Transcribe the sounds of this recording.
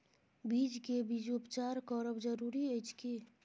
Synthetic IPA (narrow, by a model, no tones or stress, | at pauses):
biːd͡ʒkebiːd͡ʒʊpt͡ʃaːɾkɔːɾəbd͡ʒəɾuɾieːd͡ʒke